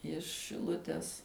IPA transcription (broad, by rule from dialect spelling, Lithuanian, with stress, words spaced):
ɪʃ ʃʲɪˈlˠʊtʲɛs